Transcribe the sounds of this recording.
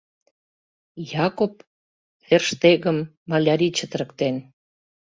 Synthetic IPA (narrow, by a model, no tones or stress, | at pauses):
jɑkop̚ | verʃt̪eɣəmː | ɑlʲaɾʲit͡ɕə̆t̪ə̆ɾə̆kt̪en